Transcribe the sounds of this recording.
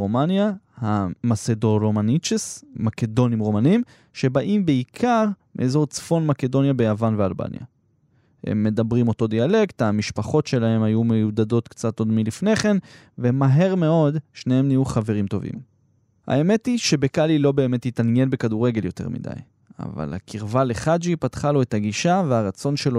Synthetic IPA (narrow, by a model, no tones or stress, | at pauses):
omanjahamasedo̞ʁomanit͡ʃesmake̞do̞nimʁomanim | ʃe̞baʔimbeikʰaʁmeʔezo̞ʁt͡sfonmake̞do̞njabejavanvealba̰nja̰ | he̞̰mːe̞dabʁimo̞to̞d̪iale̞kt̪hamiʃpaχo̞tʃe̞lahe̞mhajumejudado̞t̪kt͡sato̞dmilifne̞χe̞n | vemaɦe̞ʁme̞o̞dʃnehe̞mnijuχave̞ʁimto̞vḭm | ha̰e̞me̞tiʃe̞be̞kalilo̞be̞ːme̞tjitanje̞nbe̞kaduʁe̞ɡe̞ljo̞te̞ʁmḭda̰j | a̰va̰la̰kʰiʁvale̞χad͡ʒipatχalo̞etaɡiʃaveaʁat͡so̞nʃe̞lo